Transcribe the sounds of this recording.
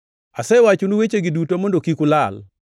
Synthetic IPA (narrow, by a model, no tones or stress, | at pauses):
asɛwat͡ʃunuwet͡ʃeɡɪdutomondokikʊlal